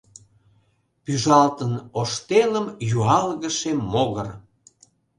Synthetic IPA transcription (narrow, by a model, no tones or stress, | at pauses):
pyʒɑlt̪ənoʃt̪eləmjuɑlɣəʃemoɣər